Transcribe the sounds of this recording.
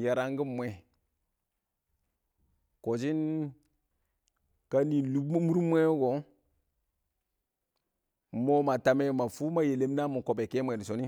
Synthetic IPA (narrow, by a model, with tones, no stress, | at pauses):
ja˨ɾa˦ŋ˦ɡi˦mːwe˨ | ko˨d͡ʒi˦n | ka˦ni˨lu˦mu˦ɾmʷ˦e˦ɡo˨˦ | mo˦ma˨ta˨me˦ma˨fu˦ma˦je˨le˦mna˦mu˨ko˨be˨ke˦mwe˨ni˨so˨ni˦